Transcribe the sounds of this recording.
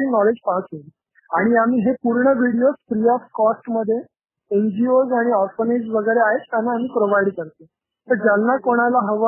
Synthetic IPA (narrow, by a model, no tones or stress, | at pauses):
iːnɔled͡ʑpat͡sɦol | aɽ̃iamiːɦepuɾɳəʋiɽiosfɾiɔfkɔsʈməd̪ʱːje | end͡ʑiozaɽ̃iɔɾfəned͡zʋəɡəjɾeaɦet̪ːjanaːmiːpɾoʋaiɽkəɾt̪e | t̪əɾd͡zalnakoɽ̃alaɦəʋə